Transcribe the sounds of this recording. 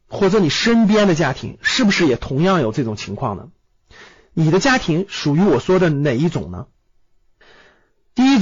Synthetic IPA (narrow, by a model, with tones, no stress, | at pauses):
xwɔ˥˩ʈ͡ʂɤ˧˥ni˨˩ʂə˥np̬jɛ˥nd̪ə˨t͡ɕja˥t̪ʰḭ˧˥ŋʂɻ̩˥˩bu˩ʂɻ̩˥˩jɛ˨˩t̪ʰʊ˧˥ŋjɑ˥˩ŋjo˨˩ʊʈ͡ʂɤ˥˩ʈ͡ʂʊ˨˩ŋt͡ɕʰi˧˥ŋkʰwɑ̰˥˩ŋnə̰˩ | ni˨˩d̪ə˦t͡ɕja˥t̪ʰi˧˥ŋʂu˨˩y˧˥wɔ˨˩ʂwɔ˥d̪ə˨ne˨˩ɪi˥˩ʈ͡ʂʊ̰˨˩ŋnə̰˦ | t̪i˥˩i˥